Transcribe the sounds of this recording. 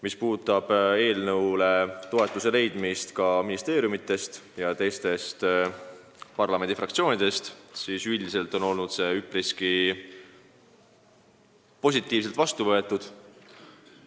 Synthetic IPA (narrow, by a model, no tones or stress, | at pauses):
mispuːt̪ːˑɑb̥e̞ːlnɤwle̞t̪o̞e̞t̪ːˑuse̞le̞jd̪̥mist̪kɑminist̪e̞ːɾʲjumit̪ːˑe̞st̪jɑt̪e̞jst̪e̞st̪ | pɑrlɑme̞nd̪̥ifrɑkt̪sio̞ːnʲid̪e̞st̪siːsyld̪ise̞lt̪ˑo̞no̞lnud̪̥se̞ypriski | po̞s̬ʲit̪ːˑiːvs̬elt̪vɑst̪uvɤ̞e̞t̪ːˑud̪̥